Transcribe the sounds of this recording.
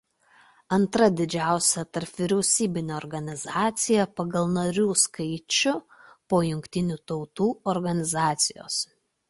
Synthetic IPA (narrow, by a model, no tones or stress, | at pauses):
ɐnt̪ɾɐd̪ʲɪd͡ʒʲæˑʊsʲɛt̪ɐɾpʋʲɪɾʲɛʊsʲiːbʲɪnʲoːɔɾɡɐnʲɪzɑːt̪sʲɪjɛpɐɡɐlˠnɐɾʲuːskɐɪt͡ʃʲʊ | poːjʊŋʲkt̪ʲɪnʲuːt̪ɐʊt̪uːɔɾɡɐnʲɪzɑːt̪sʲɪjo̰ːs